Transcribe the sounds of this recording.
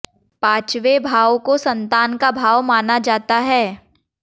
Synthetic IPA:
paːt͡ʃʋebʱaːʋkosɐ̃nt̪aːnkabʱaːʋmaːnad͡ʒaːt̪aɦɛː

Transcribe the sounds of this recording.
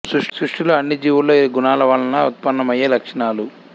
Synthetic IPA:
suʂsɾuʂʈuluɐnːid͡ʒiːʋuloːiɡunaːlɐʋaːlːɐnɐut̪̚pɐnːɐmɐjːeːlɐkʂɐɳaːlu

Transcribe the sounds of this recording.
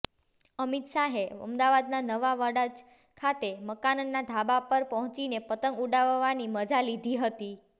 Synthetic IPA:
əmit̪saɦeə̰md̪aʋad̪nanəʋaʋəɽad͡ʒ | kʰat̪eməkanənːad̪ʱabapəɾpəɦɔ̃t͡ʃinepət̪əŋɡuɖaʋʋaniməd͡ʒalid̪ʱiɦət̪i

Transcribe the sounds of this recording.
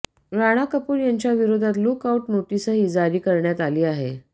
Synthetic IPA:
ɾaɽ̃akəpuːɾjaɲt͡ɕjaʋiɾod̪ʱat̪lukawʈnoʈisəɦid͡zaɾiːkəɾɳjat̪aliːaɦḛ

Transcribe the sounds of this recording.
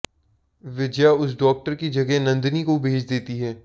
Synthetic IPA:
ʋɪd͡ʒjaʊs̬ɖɔːk̚ʈəɾkid͡ʒɐɡenɐ̃nd̪nikobʱeːt͡ʃʰd̪eːt̪iɦɛː

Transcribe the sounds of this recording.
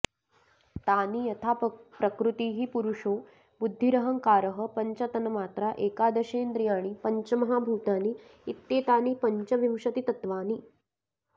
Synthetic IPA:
t̪aːniːjɐt̪ʰapɾɐkɾut̪iːɦiːpuɾuʂoː | bud̪ʱːiɾɐɦəŋkaːɾəɦə̆pɐɲt͡ʃɐt̪ɐnɐmaːt̪ɾaʔeːkaːd̪ɐʃeːnd̪ɾijaːɽ̃ipɐɲt͡ɕɐmɐɦaːbʱuːt̪aːniit̪ːeːt̪aːniːpɐɲt͡ʃɐʋimʂɐt̪it̪ɐt̪ʋaːni

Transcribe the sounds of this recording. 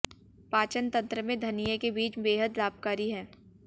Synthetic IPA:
paːt͡ʃənt̪ɐ̃nt̪ɾəmẽd̪ʱɐnijəkebiːt͡ʃbeːɦəd̪laːb̚kaːɾiɦɛ̃ː

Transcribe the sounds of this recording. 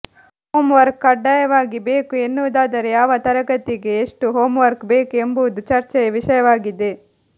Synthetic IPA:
hoːmʋɐɾkːɐɖːajɐʋaːɡibeːkuenːuʋud̪aːd̪ɐɾejaːʋɐt̪ɐɾɐɡɐt̪iɡe̞ːʂʈuɦoːmʋɐɾkbeːkue̞mbuʋud̪ut͡ʃɐɾt͡ʃɛjɐʋiʂɐjɐʋaːɡid̪e

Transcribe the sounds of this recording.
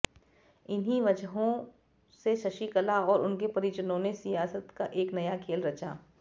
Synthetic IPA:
ɪnɦiʋɐd͡ʒɦõ | seʃɐʃikɐlaɔːɾʊnkepɐɾid͡ʒənõnesijaːsət̪kaʔeːknɐjakʰeːlɾɐt͡ʃa̰ː

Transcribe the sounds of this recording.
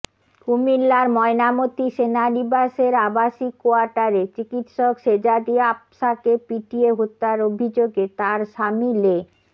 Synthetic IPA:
kumilːaɾmɔenamot̪iʃenaɾibaʃeɾabaʃikːoaɾʈaɾet͡ɕikit̪ʃɔkʃed͡ʑad̪iapʃakepiʈieɦot̪ːaɾobʱid͡ʑoɡet̪aɾʃamile

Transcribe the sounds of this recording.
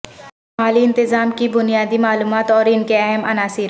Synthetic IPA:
aːliɪ̃nt̪ɪzaːmkibʊnijaːd̪imaːluːmaːt̪ɔːɾɪnkeɛɦəmɐnaːsɪɾ

